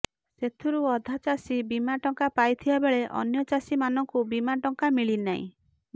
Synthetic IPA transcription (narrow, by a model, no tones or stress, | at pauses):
set̪ʰuɾuɔd̪ʱat͡ʃasibimaʈɔŋkapajt̪ʰibabeɭeʔɔ̰njɔt͡ʃasimanɔŋkubimaʈɔŋkamiɭinaɦḭ̃